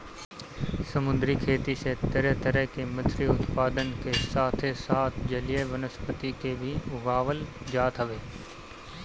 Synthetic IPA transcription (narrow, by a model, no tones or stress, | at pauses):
səmʊ̃nd̪ɾikʰeːt̪iset̪əɾɛt̪əɾəɦkemɪ̃t̪ʰɾiʊt̪paːd̪ənkesaːt̪ʰesaːt̪ʰd͡ʒɐlijeʋənəspət̪ikebʱiʊɡaːʋəld͡ʒaːt̪ɦəʋeː